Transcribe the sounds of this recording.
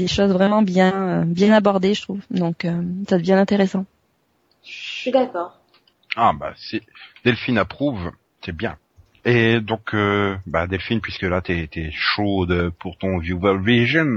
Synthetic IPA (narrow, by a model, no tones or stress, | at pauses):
d̪eʃozvʁɛmɑ̃bjɛ̃øbjɛ̃nabɔʁd̪eʒət̪χuvd̪ɔ̃køsad̪əvjɛ̃ɛ̃t̪eʁesɑ̃ | ʃʃid̪akɔːʁ | aba̰sid̪̥ɛlfinapχuv | t̪yɛbjɛ̃ | ed̪ɔ̃kʰøbad̪ɛlfinpɥiskəlat̪yɛt̪ɛʃod̪əpuʁt̪ɔ̃vjuvɛlviʒin